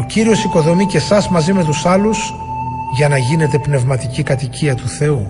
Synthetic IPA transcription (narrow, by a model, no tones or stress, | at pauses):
o̞ciɾio̞siko̞ðo̞mice̞sɐzmɐzime̞t̪̬usɐlus | ʝɐnɐʝine̞t̪e̞pne̞vmɐt̪icikɐt̪iciɐt̪uθe̞u